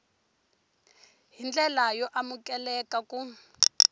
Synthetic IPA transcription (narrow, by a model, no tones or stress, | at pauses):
ɦind͡ɮɛlajɔʔamukʼɛlɛkaku